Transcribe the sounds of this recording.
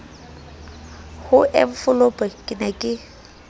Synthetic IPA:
hʊʔɛ̰ɱ̩fʊlopʼakʼɪnɛkʼɪ

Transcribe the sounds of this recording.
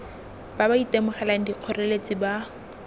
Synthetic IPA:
b̥abaitemʊχɛlan̩diq͡χʰɔrelet͡sʼɪba

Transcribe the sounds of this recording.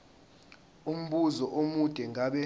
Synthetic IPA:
um̩ɓuzɔʔomud̥ʱɛŋʱaɓɛ

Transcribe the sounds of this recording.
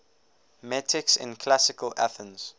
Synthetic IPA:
mɛtʰɪksɪ̰̃nkʰlasɪkəla̰θə̃nz̥

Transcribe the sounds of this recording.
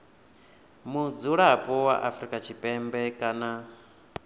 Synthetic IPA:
mud͡zuɺapʼɔwa̰ʔafɾikʼat͡ʃʰipʼɛmbɛkʼana

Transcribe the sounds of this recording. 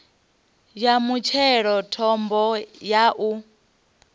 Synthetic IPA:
jamut͡ʃʰɛɺɔtʰɔmbɔjaʔu

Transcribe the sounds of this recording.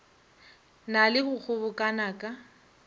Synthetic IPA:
nalɪhʊk͡xʰʊbʊkʼanaːkʼa

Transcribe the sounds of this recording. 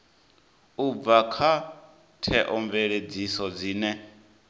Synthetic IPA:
ub̪vakʰa | tʰɛʔɔɱvɛɺed͡zisɔd͡ziːnɛ

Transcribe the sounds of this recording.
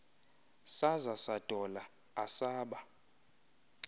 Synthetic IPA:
sazasad̥ʼʱɔla | asaːɓa

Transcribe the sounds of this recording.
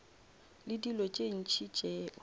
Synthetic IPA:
lɪdilɔt͡ʃʼen̩t͡ʃʰit͡ʃʼɛ

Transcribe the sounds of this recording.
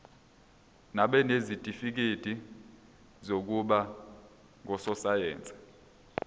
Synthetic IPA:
naɓɛnezid̥ʱʼifik̬ed̥ʱi | zok̬uɓa | ŋʱɔsɔsajɛ̰ːnt͡sʼḁ

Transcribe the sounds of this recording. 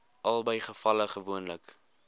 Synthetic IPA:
ʔɐlˠbəjχəfɐləχəvuənlək

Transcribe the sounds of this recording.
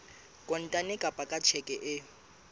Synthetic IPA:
kʼɔn̩tʼanɪkʼapʼakʼat͡ʃʰɛkʼɛʔɪ

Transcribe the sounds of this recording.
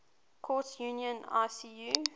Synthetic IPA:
kʰɔˑtjunjə̃na̰ɪsiju

